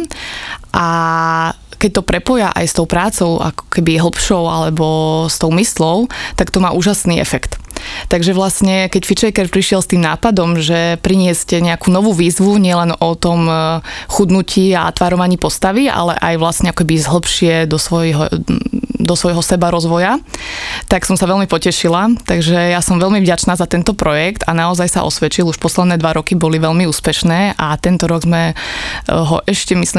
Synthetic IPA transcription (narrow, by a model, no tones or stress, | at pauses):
ʔa | kɛc̚t̪ɔpɾɛpɔjaʔa̰jst̪ɔʊpɾaːt͡sɔʊʔa̰kɔ̥kɛbiɦl̩pʃɔʊalɛbɔst̪ɔʊmislɔʊt̪akt̪ɔmaːʔuːʒasniːʔɛ̰fɛkt̪t̪aɡʒɛʋlasɲɛkɛcfit͡ʃɛjkɛɾpɾiʃɪɛlst̪iːmnaːpad̪ɔmʒɛpɾiɲɪɛscɛɲɛakuːnɔʋuːʋiːzʋuɲɪɛlɛnɔt̪ɔmxud̪nucʰiːa̰a̰t̪ʋaːɾɔʋaɲiːpɔst̪aʋia̰lɛ̰ʔa̰jʋlasɲɛakɔkɛbiizɦl̩pʃɪɛd̪ɔsʋɔjɦɔ | d̪ɔsʋɔjɦɔsɛbaɾɔzʋɔja | t̪aksɔmsaʋɛlmipɔcɛʃilat̪aɡʒɛjasɔmʋɛlmivɟat͡ʃnaːzat̪ɛnt̪ɔpɾɔjɛkt̪anaɔzajsa̰ʔɔ̰sʋɛt͡ʃiluʃpɔslɛd̪nɛːd̪ʋaɾɔkibɔliʋɛʎmiuːspɛʃnɛːʔat̪ɛnt̪ɔɾɔɡzmɛ | ɦɔ̰ʔɛʃcɛmisli